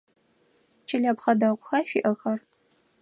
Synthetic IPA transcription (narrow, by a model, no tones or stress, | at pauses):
t͡ʃʰɪɮaːpχɐdɐʁʷʊxɐʃiʔɐxɐr